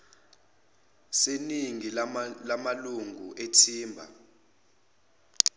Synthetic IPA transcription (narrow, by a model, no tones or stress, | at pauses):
seniŋilamaluŋʱuʔetʰiːmbʱa̰